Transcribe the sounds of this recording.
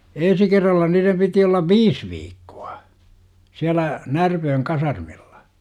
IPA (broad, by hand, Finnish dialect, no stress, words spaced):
en̞si kerːɑlːɑ niːrem piti olːɑʋ ʋiːs ʋiːkːu̥ɑ̥ siælæ nærpøːŋ kɑsɑrmilːɑ̥